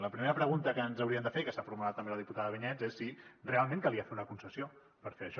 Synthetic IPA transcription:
ləpɾimeɾəpɾəɣunt̪əkənzəwɾiəmd̪əfekəsafuɾmulat̪ːəmbeləðiput̪aðəəβiɲɛd͡zesːirealˠmẽŋkalˠiafet̪unəkunsəsjo | pəɾfeəʃɔ

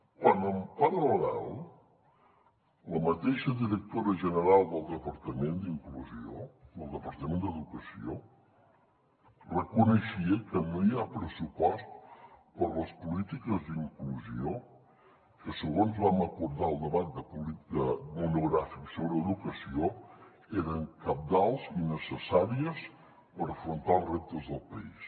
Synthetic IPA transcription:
kwanəmpaɾələɣa̰lˠ | ləmət̪eʃəðiɾək̚t̪oɾəʒənəɾalˠd̪əlˠd̪əpəɾt̪əmend̪iŋkluzio̰d̪əlˠd̪əpəɾt̪əmend̪əðukəsio | rəkunəʃiəkənoiapɾəsupɔst̪pəɾləspulit̪ikəzd̪iŋkluzio | kəsəɣonzβaməkuɾðaəlˠd̪əβat̪̚d̪əpuliəmunuɣɾafiksoβɾəːðukəsio | eɾəŋkəp̚d̪alˠzinəsəsaɾiəs | pəɾəfɾunt̪aəlˠrep̚t̪əzðəlˠpəis

